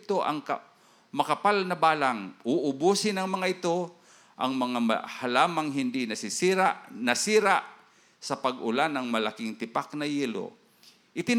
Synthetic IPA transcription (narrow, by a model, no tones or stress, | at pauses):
t̪oʔa̰ŋka | mɐkɐpalnɐbaːlaŋʊʔʊbusɪnɐŋmɐŋaʔɪt̪o | ʔɐŋmɐŋama̰halaːmaŋɦɪnd̪ɪnɐsɪsiɾaʔnɐsiːɾaʔ | sɐpaɡʊlanɐŋmɐlakɪŋt̪ɪpaknɐjiːlo̰ | ʔɪt̪ɪn